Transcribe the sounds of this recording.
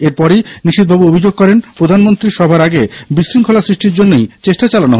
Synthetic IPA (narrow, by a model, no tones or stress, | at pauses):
eɾpɔɾijniʃid̪̚bʱabuobʱid͡ʑoɡ̚kɔɾenpɾod̪ʱanmont̪ɾiɾʃɔbʱaɾaɡebisɾiŋkʰolasɾiʃʈiɾd͡ʑonːejt͡ɕeʃʈat͡ɕalanoɦ